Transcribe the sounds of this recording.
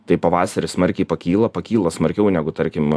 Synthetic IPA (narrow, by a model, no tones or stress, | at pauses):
t̪ɐɪpɐʋɑːsɐɾʲɪsmɐɾʲkʲɛɪpɐkʲiːlˠɐpɐkʲiːlˠɐsmɐɾʲkʲɛʊnʲæːɡʊt̪ɐɾʲkʲɪm